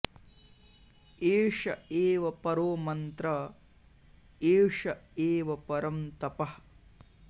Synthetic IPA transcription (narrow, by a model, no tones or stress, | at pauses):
eːʂɐeːʋɐpɐɾoːmɐnt̪ɾɐ | eːʂɐeːʋɐpɐɾɐmt̪ɐpɐh